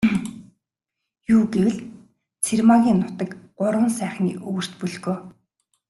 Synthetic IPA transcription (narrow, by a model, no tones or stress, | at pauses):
juːɡewɘ̆ɮ | t͡sʰermaɣʲiːnːʊt̪ə̆kɢʊɾwə̆nsæːχnḭːʔɵɣɵ̆r̥t̪pɵɮɣoː